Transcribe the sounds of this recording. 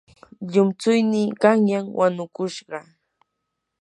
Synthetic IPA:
ʎʊmt͡sʊjnɪkaŋjaŋwʔanʊkʊʃɢɑ

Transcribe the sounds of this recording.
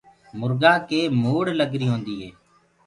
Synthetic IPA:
mʊɾɡaːkeːmuːɽləɡɾiːɦõːnd̪iːɦɛː

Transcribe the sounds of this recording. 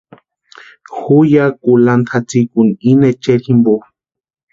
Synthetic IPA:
xujakulant̪ʰat͡sikuninet͡ʃeɾimbo

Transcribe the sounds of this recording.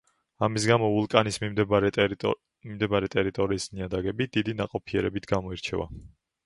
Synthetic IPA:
amis̬ɡamɔulˠkʼanismimd̪ | mimd̪ɛbaɾɛt̪ʼɛɾit̪ʼɔɾiːsniad̪aɡɛbid̪̥id̪inaqʼɔpʰiɛɾɛbit̪ʰɡamɔiɾt͡ʃʰɛ̰va̰

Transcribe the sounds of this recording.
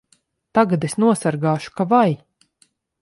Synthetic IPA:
t̪aɡad̪esnuɔsaɾɡaːʃu̥kavaj

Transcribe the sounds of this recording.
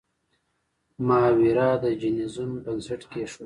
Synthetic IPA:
mɑːwiɾɑd̪əd͡ʒinizunbənseʈkeʂ

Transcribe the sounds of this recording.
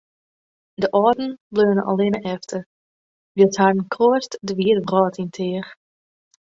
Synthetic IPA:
dəʔɔːdn̩bløːnəʔɔ̰lenəʔɛftʰə | ʋəshadn̩kʰloəstdəʋiətbrɔːtʰintʰɪər

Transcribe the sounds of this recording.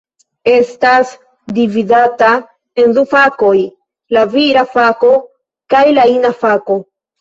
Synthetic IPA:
e̞stas | dividata | e̞ndufako̞j | laviɾafako̞ | kajlainafako̞

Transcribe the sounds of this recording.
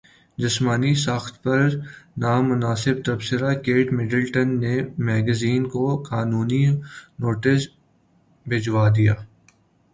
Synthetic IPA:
d͡ʒɪsmaːnisaːxt̪pɐɾnaːmʊnaːsɪb̚t̪ɐbsɪɾakeːʈmɪɖəlʈənːemɛːɡəziːnkokaːnuːninoːʈɪs | bʱɪd͡ʒwaːd̪ijaː

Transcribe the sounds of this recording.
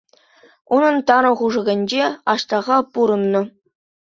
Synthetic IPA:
unɤ̆nt̪ɑɾɤ̆χuʐɤ̆ɡʲɘ̆nʲd͡ʑeɑɕt̪ɑʁɑpuɾɤ̆nːɤ̆

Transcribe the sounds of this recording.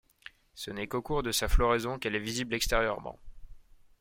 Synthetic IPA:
sənɛkokuʁd̪əsaflɔʁezɔ̃kɛlɛviziblɛkst̪eʁjœʁmɑ̰̃

